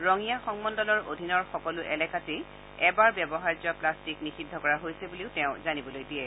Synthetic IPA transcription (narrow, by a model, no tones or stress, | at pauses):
ɹɔŋijaxɔŋmɔndɔlɔɹo̰dʱinɔɹxɔkɔlʊʔɛlɛkʰati | ɛbaɹbjɛbɔɦaɹd͡ʒɔplastiknisidʱːɔkɔɹaɦojsɛbuliʊtɛʊ̃zanibɔlojdiɛ